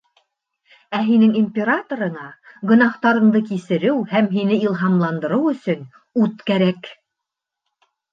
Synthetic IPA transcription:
æɦinɘŋimʲpʲeɾat̪oɾɤ̆ɴɑɡŏnɑht̪ɑɾɤ̆ɴd̪ɤkisɘ̆ɾɘwhæmɦinɘilˠɦɑmlˠɑnd̪ɤ̆ɾɤwɵ̆sɵn | ʉt̪kæɾæk

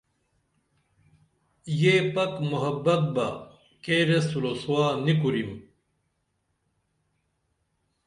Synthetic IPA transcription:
jepɐkmuɦɐbɐk̚bɐ | keːɾesulosuwaːnik̬uɾim

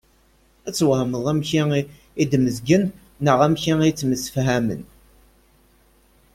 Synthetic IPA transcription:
æt͡sːwhməðˤæmçi | id̪məzɡənː | əʁæmçiit͡sːməsə̥fɦæmə̰n

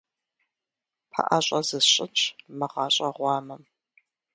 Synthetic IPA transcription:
pʰa̰ʔa̰ɕʼɐzɨɕʼɪt͡ʃʰmɐʁɑːɕʼɐʁʷɑːmɐm

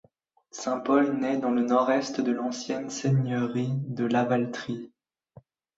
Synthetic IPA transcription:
sɛ̃pɔlnɛd̪ɑ̃lənɔʁɛst̪d̪əlɑ̃sjɛnseɲœʁid̪əlavalt̪χi

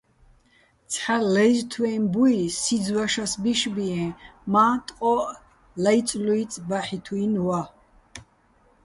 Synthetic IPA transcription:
t̪t͡sʰħalɛjzt̪ʰwɛmbuisid͡zwaʃasbiʃbiɛ̃mat̪ʼqʼɔʔ | laj̪t͡sʼluit͡s̪ʼbaħit̪ʰuinwa

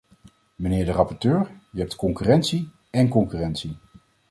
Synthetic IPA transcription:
mənɪːɹdərɑpɔɹtøːɹjəɦɛp̚tkɔŋkyːrɛntsi | ɛnkɔŋkyːrɛntsi

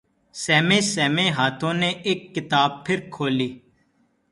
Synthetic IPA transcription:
sɛːmẽːsɛːmẽːɦaːt̪ʰõːneːʔeːkːɪt̪aːb̚pʰɪɾkʰoːliː

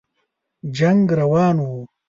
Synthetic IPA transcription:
d͡ʒɐŋɡɾɐwaːnu

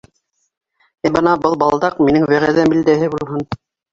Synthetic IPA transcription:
æbɤnɑbɤlˠbɑlˠd̪ɑqminɘŋwæʁæðæmild̪æɦɘbulˠɦɤn

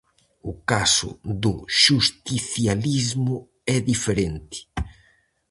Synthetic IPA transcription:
ʊkasʊ̰ðʊʃust̪iθjalizmʊ | ɛðifeɾent̪ɪ̥

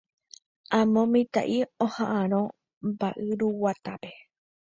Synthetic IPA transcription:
ãmõmĩt̪a̰ʔiohãʔãɾ̃õ | mbaʔɨɾuwat̪ape̞

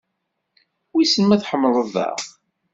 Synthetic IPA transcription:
wisənmæθħəmːləðˤə̰ʁ

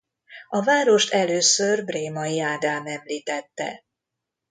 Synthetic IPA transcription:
ɒvaːɾo̞ʃt̪ɛløːsørbreːmɒjiaːd̪aːmɛmliːt̪ɛt̪ːɛ̰

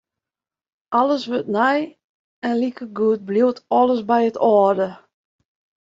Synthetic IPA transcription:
ʔɔləsʋøtnɛj | ɛnlikəɡuət̚bliwtʰɔlˠəsbɛjətʰɔːdə

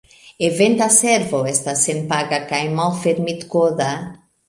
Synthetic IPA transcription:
evẽnt̪asɛɾvowɛst̪asẽnpaɡakajmawfeɾmit̪koða

